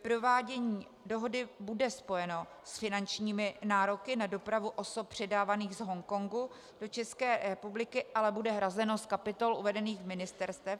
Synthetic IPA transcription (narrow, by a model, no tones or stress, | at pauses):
pɾo̞vaːɟɛɲiː | do̞ɦo̞dɪbudɛspo̞jɛno̞ | sfɪnant͡ʃɲiːmɪnaːɾo̞kɪnado̞pɾavuʔo̞so̞p̚pr̝̥ɛdaːvaniːɣzɦo̞ŋko̞ŋɡu | d̥o̞t͡ʃɛskɛːɾɛpublɪkɪʔalɛbudɛɦɾazɛno̞skapɪt̪o̞lʔuvɛdɛniːxvmɪnɪst̪ɛɾst̪vɛ